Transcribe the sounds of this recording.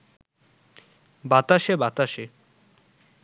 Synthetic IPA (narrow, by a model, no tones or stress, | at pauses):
bat̪aʃebat̪aʃe